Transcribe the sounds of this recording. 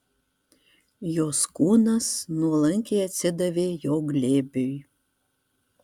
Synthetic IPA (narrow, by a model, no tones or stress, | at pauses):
joskunəsnulə̆ŋkejæt͡sʲə̆d̪əvejoɡlʲebyj